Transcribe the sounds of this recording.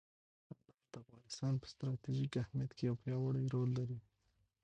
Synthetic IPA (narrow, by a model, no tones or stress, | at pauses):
dad̪ad̪̥əafɣɑnɪst̪ɑnpə̥st̪ɾɑt̪iʒikahmijat̪kejawpjɑwaɽəjɾolːaɾi